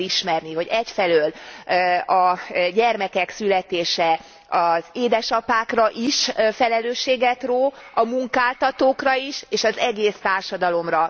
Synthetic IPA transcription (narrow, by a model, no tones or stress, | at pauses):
iʃmɛrniɦo̞ɟɛcfɛløːl | ɒɟɛrmɛkɛksylɛt̪eːʃɛ | ɒzeːd̪ɛʃɒpaːkrɒʔiʃfɛlɛløːʃːeːɡɛt̪roːɒmuŋkaːlt̪ɒt̪oːkrɒiʃeːʃɒzɛɡeːst̪aːrʃɒd̪ɒlo̞mrɒ